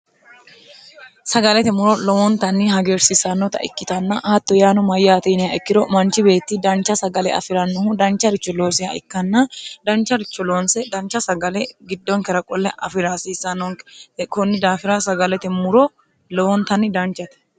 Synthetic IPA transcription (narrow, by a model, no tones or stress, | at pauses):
sɐɡɐlɛt̪ɛmʊɾɔlɔwɔnt̪ɐnːɪɦɐɡeːɾsɪsɐnːɔt̪ɐ̰ɪ̰kːɪt̪ɐnːɐʔɐt̪ːɔjaːnʊmɐjːaːt̪inɪjɐɛkːɪd̪ɔmɐnt͡ʃːɪbe̞ːt̪ːɪd̪ɐnt͡ʃːɐsɐɡɐlɛɐ̰fɪɾɐnːɔhʊd̪ɐnt͡ʃːɐɾɪt͡ʃːɔlo̞ːsɪhɐʔɪkːɐnːɐd̪ɐnt͡ʃːɐɾɪt͡ʃːɔlo̞ːnsɛd̪ɐnt͡ʃːɐsɐɡɐlɛɡɪd̪ːɔŋkɛɾɐkʼɔlːɛʔɐfɪɾaːsiːsɐnːɔŋkɔnːɪd̪aːfɪɾɐsɐɡɐlɛt̪ɛmʊɾɔ | lɔwɔnt̪ɐnːɪd̪ɐnt͡ʃːɐt̪ɛ̥